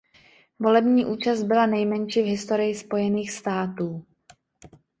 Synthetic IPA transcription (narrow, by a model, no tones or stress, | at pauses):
vo̞lɛbɲiːʔuːt͡ʃasd̪̚bɪlanɛjmɛnt͡ʃiːvɦɪst̪o̞ɾɪjɪspo̞jɛniːxst̪aːt̪uː